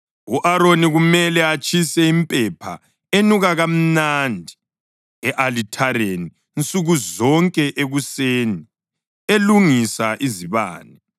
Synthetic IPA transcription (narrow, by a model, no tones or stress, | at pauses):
uʔaɾoniɣumɛlɛat͡ʃʰʼisɛimpʼɛpʰa̰ | enuɣaɣam̩nandʱi̥ | ɛʔalitʰaɾeniːnt͡sʼuɣuzɔŋkʼɛʔeɣuseːni | eluŋisaʔiziβa̰ːnɛ